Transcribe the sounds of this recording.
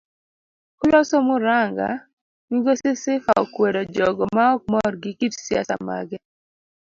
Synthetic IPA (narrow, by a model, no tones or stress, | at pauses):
kʊlɔsɔmʊɾaŋɡa̰ | miɡosɪsɪfaɔ̰kwedod͡ʒɔɡɔmaɔk̚mɔrɡɪkitsja̰sa̰ma̰ɡɛ